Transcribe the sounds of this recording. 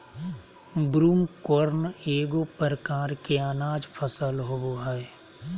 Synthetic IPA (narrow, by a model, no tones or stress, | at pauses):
bɾuːmkoɾneːɡopəɾəkaːɾkeaːnaːd͡ʒpʰəsəlɦooɦɛ